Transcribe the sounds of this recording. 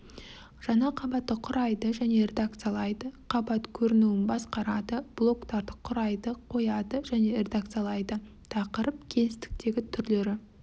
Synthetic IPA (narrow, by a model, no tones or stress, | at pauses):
ʒ̥ɑnɑqʰɑbɑt̪ːəqʰʊɾɑjd̪əʒæne̞ɾʲe̞d̪ak̚t̪sɨjalˠɑjd̪əqʰɑbɑt̪kʲʰɵɾɪnuɪnbɑsqɑɾɑd̪əb̥lˠo̞kt̪ɑɾd̪əqʰʊɾɑjd̪əqʰo̞jɑd̪əʒæne̞ɾe̞d̪akt̪sɨjalˠɑjd̪ə | t̪ʰɑqəɾəp̚kʲʰe̞lɪst̪ɪ̥k̚t̪e̞ɡʲɪt̪ʰʏɾle̞ɾɪ